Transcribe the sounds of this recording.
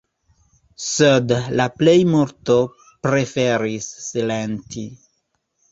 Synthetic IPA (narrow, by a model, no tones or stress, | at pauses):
sedlaplejmuɾto | pɾe̞fe̞ɾisːilenti